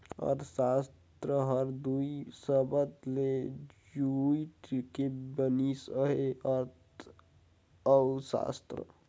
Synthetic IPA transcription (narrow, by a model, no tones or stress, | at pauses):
ɔ̰ːɾsaːst̪ɾəɦəɾd̪uisəbət̪led͡ʒuiʈkebənisəɦeɔɾt | əwsa̰ːst̪ɾə̰